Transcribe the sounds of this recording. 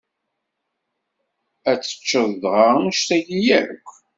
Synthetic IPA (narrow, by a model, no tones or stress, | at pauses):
æt͡sːə̥t͡ʃːəðdʁaʃt̪æjijæɾəkʷː